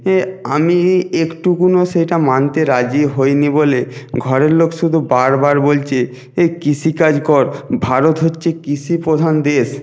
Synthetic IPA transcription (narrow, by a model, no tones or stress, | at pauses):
eamiekʈukunoʃejʈamant̪eɾad͡ʑiɦojniboleɡʱɔɾeɾlokʃud̪ʱubaɾbaɾbolt͡ɕʰe | ekit͡ɕʰikad͡ʑkɔɾbʱaɾot̪ɦotːɕʰekit͡ɕʰipɾod̪ʱand̪eʃ